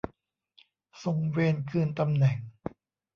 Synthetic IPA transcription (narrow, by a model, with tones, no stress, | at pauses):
so˨˩ŋweː˧nkʰɯː˧nt̪a˧mnɛ˨˩ŋ